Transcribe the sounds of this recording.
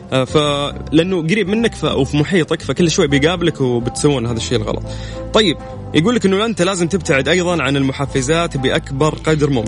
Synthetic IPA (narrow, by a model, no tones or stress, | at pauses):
falɪʔanːuɡaɾiːbmɪnːakfa̰ʔwfimʊħiːt̪ˤɑkfakʊlːʃwajːbɪjɡaːblakwɪbɪt̪sawːɪnɦaːðaʃːejːɪlɣɑ̰lɑ̰t̪ˤ | t̪ˤːɑjːɪb̚ | jʔaɡuːlːɪkʔɪnːʊlʔɪnt̪alaːzɪmt̪ɪb̚t̪aʕɪd̪ʔɑjðˤɑnʕanɪlmʊħafːɪzaːt̪bɪʔakbɑɾˤqɑd̪ɪɾmʊm